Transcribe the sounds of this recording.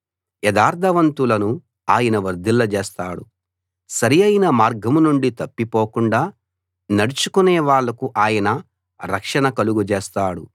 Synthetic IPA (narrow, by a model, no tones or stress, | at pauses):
jɛd̪aːɾt̪ʰɐʋɐnt̪ulɐnu | aːjɐnɐʋɐɾd̪ilːɐd͡ʒeːst̪aːɽu | sɐɾijɐjnɐmaːɾɡɐmunuɳɖit̪ɐpːipoːkuɳɖaː | nɐɽut͡ʃukunɛːʋaːɭːɐkuʔaːjɐnɐ | ɾɐkʂɐnɐkɐluɡud͡ʒeːst̪aːɽṵ